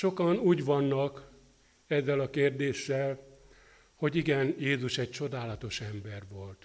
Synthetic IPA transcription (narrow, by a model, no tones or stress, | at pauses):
ʃo̞kɒnuːɟʋɒnːɒk | ɛzːɛlɒkeːrd̪eːʃːɛl | ho̞ɟiɡɛnjeːzuʃɛc̚t͡ʃo̞d̪aːlɒt̪o̞ʃɛmbɛrʋo̞lt̪